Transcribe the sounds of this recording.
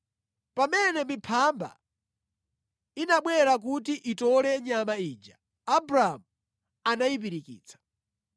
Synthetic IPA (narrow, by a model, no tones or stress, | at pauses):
pamɛnɛmipʰamba̰ | inaɓwɛɾak̬utiʔitɔlɛɲamaiːd͡ʒa̰ | abɾaamu | anaipiɾikḭːt͡sʰḁ